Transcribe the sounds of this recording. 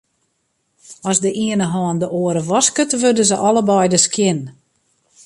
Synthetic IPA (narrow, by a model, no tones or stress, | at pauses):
ɔsdəʔiənəɦɔːndəʔoəɾəʋɔskətʋørdəzəʔɔləbɔjdəskjɪn